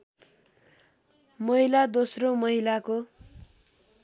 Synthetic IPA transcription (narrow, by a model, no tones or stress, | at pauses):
mʌɦilad̪osromʌɦilako